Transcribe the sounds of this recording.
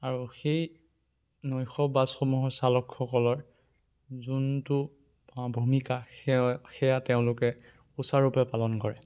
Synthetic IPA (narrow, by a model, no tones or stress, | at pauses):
aɹuxej | nɔjxɔbazxomuɦɔɹsalɔkʰxɔkɔlɔɹ | zuntʊ | bʱumikaxxɛjatɛʊ̃lʊkɛ | usaɹupɛpalɔnkɔɹɛ